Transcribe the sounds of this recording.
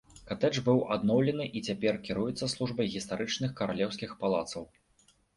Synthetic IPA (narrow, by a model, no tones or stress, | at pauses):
kat̪ɛt͡ʂbɨwʔad̪nɔwlʲɛnɨʔit͡sʲapʲɛrkʲiɾujɛt̪sːɐslˠuʐbɐjɣʲist̪aɾɨt͡ʂnɨxkɐɾalʲɛwsʲkʲixpalˠat̪sɐw